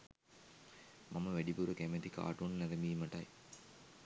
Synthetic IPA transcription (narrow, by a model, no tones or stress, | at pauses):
mamɐʋæɖibuɾɐkemet̪ika̰ːʈunnɐɾɐmiːmɐʈɐj